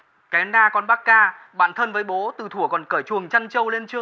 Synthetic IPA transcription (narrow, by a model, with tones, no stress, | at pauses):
kɛ˨˦naː˧kɔ˨˧nɓaː˦˥k̚ːaː˧ | ɓa̰ː˧˨nt̪ʰə˧nvəː˨˦jɓo˨˦t̪ɨ˨˩t̪ʰu˧˩əkɔ˨˩nkəː˧˩jt͡ɕu˨˩əŋt͡ɕa˧ŋt͡ɕə˧wle˧nt͡ɕɨ˦əŋ